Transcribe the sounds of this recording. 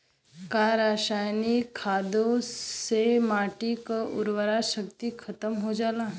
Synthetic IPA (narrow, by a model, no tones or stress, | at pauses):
kaɾaːʃaːjnikʰːaːd̪õsemaːʈikaʊɾwəɾaʃəkt̪ikʰɐt̪əmɦod͡ʒaːlaː